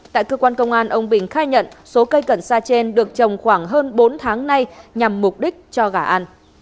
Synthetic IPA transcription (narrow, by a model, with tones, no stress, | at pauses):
t̪a̰ː˧˨jkəː˧kwaː˧nkə˧wŋ͡mʔaː˧nʔə˧wŋ͡mɓï˨˩ŋ̟xaː˧jɲə̰˧˨nso˨˦kə˧jkə˧˩nsaː˧t͡ɕe˧nɗɨ˨˩ək̚t͡ɕə˨˩wŋ͡mxwaː˧˩ŋɦəː˧nɓo˨˦nt̪ʰaː˨˦ŋna˧jɲa˨˩mːʊ˨˩k͡p̚ɗï˦˥k̟̚t͡ɕɔ˧ɣaː˧˩ʔa˧n